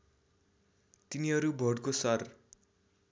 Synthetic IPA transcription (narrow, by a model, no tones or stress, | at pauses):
t̪iniʌɾubʱʌɽkosʌr